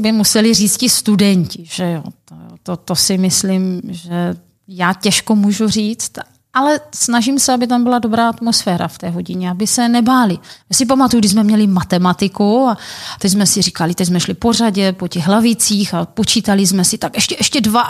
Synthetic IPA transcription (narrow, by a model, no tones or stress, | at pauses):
bɪmusɛlɪriːt͡scɪst̪udɛɲcɪʒ̥ɛjot̪ojo̰t̪ot̪osɪmɪslɪmʒɛ | jaːcɛʃkomuːʒur̝iːt͡st̪ | ʔalɛsnaʒimsɛabɪt̪ambɪlado̞bɾaːat̪mo̞sfɛːɾa̰ft̪ɛːɦo̞ɟɪɲɛabɪsɛnɛbaːlɪjasɪp̬amat̪ujuɡdɪzmɛmɲɛlɪmat̪ɛmat̪ɪkuat̪ɛczmɛsɪriːkalɪt̪ɛczmɛʃlɪpo̞raɟɛpo̞cɛɣɦlavɪt͡siːxapot͡ʃiːt̪alɪzmɛsɪt̪akʔɛʃcɛʔɛʃcɛdva